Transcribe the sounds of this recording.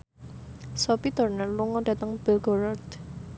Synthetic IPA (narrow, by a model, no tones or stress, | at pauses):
sɔpit̪ɔrnəluŋɔd̥ä̤t̪əŋb̥ɪlɡɔɾɔrd̪